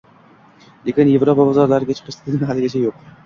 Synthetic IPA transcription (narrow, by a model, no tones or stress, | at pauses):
lekʲɪnje̞vɾopabɒzɒɾlaɾɪɡʲat͡ʃʰɨ̥qʰɨʃlɪk̪ʲnɪnɦalːɪɡʲat͡ʃʰajoq̚